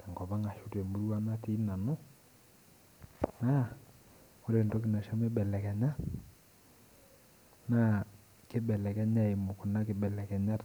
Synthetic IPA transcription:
tɛ˨ŋɡɔ˨ba˦ŋa˨ʃu˦te˨mu˨˦ɾwa˦na˦ti˦na˨nʊ˦ | na˦ | o˦ɾe˨ndo˦k̬ɪ˨na˨ʃa˦mɛ˦bɛ˨lɛ˨kɛ˨ɲa˦ | na˦ | kɪ˦bɛ˨lɛ˨kɛ˦ɲa˦e˨mʊ˨kʊ˨na˦kɪ˨bɛ˨lɛ˨kɛ˨ɲa˦t

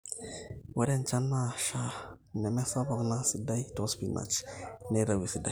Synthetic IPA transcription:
wɛ˦ɾɛ˦nt͡ʃa˦nːa˦ʃa˨ | nɛ˨mɛ˦sa˦bɔ˨kna˦si˨da˦jtɔ˨spi˨na̰˨t͡ʃne˦ɾa˨wi˨si˨da˨i˨

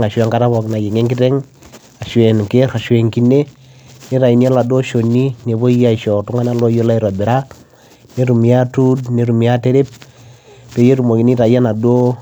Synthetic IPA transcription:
ŋa˨ʃwa˦ŋka˦ta˦βɔ˨kna˨je˨ŋe˦ŋkɪ˦tɛ˦ŋ | a˨ʃwe˨nke˦ɾa˨ʃwe˨ŋki˦ne˦ | ne˦ɾa˨i˨˦ni˦a˦la˨do˦ʃo˨ni˦ne˨bo˦ja˨i˨ʃɔ˨tu˦ŋa˦na˦lo˦jo˦la˦i˦ɾɔ˨bɪ˨ɾa˦ | ne˦ɾu˨mi˨a˦tu˦dne˨ɾu˨mi˨a˦te˦ɾe˦p̚ | to˨˦je˦ɾu˨mo˨ki˨ni˦ɾa˨ja˦na˨do˦

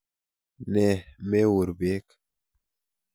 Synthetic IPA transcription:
ne˨meː˦wu˨ɾbeː˦k

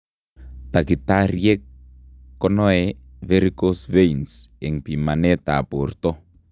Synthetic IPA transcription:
ta˨ki˨taɾiɛ˦kː | ɔnɔɛvɛɾikosveinsɛ˨ŋpi˨ma˨nɛ˦ta̰˨po˨rtɔ˦

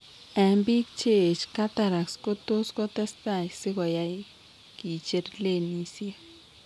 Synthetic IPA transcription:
a˨mbi˦kt͡ʃe˦˨t͡ʃka˦t̪a˧ɾa˨ksko˦t̪u˦sko˦t̪e˦st̪a˧jsi˦ɡa˨ja˧j | ki˨t͡ʃe˧ɾle˦ni˧sja˦

